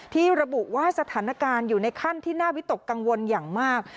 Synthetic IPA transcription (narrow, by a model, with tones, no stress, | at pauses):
t̪ʰiː˥˩ɾa˧bu˨˩waː˥˩sa˧t̪ʰaː˩˦na˧kaː˧njuː˨˩na˧jkʰa˥˩nt̪ʰiː˥˩naː˥˩wi˦˥t̪o˨˩kːa˧ŋwo˧njaː˨˩ŋmaː˥˩k̚